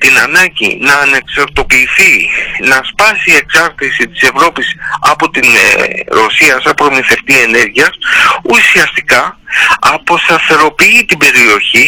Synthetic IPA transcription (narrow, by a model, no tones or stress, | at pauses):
t̪inɐnɐɟḭnɐːne̞ksɐɾt̪o̞piːθinɐspɐsie̞ksɐɾt̪isit̪i̥se̞vɾo̞pisɐ̰po̞t̪inɾo̞siɐsɐpɾomiθe̞ft̪ie̞ne̞ɾʝiɐsusiɐst̪ikɐɐpo̞st̪ɐθe̞ɾo̞piit̪ibe̞ɾio̞çi